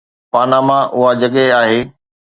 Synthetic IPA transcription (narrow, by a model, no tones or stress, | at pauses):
paːnamãʔʊɦad͡ʑɐɠɛaːɦeː